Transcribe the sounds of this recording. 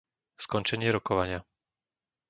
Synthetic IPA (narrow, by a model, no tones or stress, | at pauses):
skɔnt͡ʃɛɲɪɛɾɔkɔʋaɲɪa